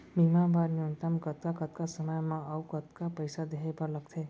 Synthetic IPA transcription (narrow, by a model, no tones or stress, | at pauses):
bʱimãbaɾniont̪əmkət̪̚kakət̪̚kasəməjmãəwkət̪kapəjsad̪eɦepəɾləɡt̪ʰe